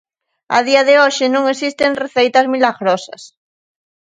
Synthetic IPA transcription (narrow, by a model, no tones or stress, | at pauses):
a̰ð̞iaðeoʃɪnõŋesist̪eŋreθejt̪ɐzmilaɣɾosɐ̰s